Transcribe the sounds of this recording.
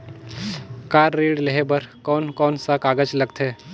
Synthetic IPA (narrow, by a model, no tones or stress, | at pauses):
kaːɾːeːɽleɦebɐɾkɔːnkɔːnsakaːɡəd͡ʒlɐɡt̪ɦɛː